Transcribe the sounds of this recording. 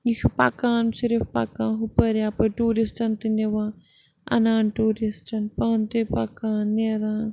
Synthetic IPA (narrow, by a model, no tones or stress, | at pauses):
jiʃupa̰kaːnsiɾifpa̰kãːɦupɐɾjaːpɐʈuːɾisʈɐnt̪ineʋãː | ɐ̰naːnʈuːɾisʈɐnpaːnt̪epakaːnːeːɾaːn